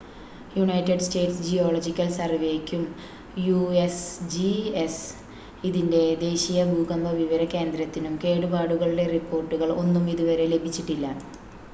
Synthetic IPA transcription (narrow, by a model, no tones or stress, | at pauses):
juɳɐjtːeɖste̞ːʈsd͡ʑijoːɭod͡ʑikʲːɐlsɐrʋeːkʲːum | juesd͡ʑies | iðinde̞d̪e̞ːɕijɐbʱuːɡɐmbɐʋiʋɐɾɐke̞ːnd̪ɾɐt̪ːinumke̞ːɽubaːɽuɣɐɭiɽe̞ripːo̞ːrʈːuɣɐɭo̞nːumiðuʋɐɾe̞le̞bʱit͡ɕːiʈːilːɐ